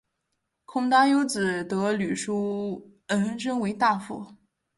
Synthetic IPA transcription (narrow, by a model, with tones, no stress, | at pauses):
kʰʊ˥ŋt̪a˥jo˥ʊt͡sɹ̩˨˩t̪ɤ˧˥ly˨˩ʂu˥ | ə˧˥nə˥nʈ͡ʂə˥ŋwe˧˥ɪt̪a˥˧fu˥˩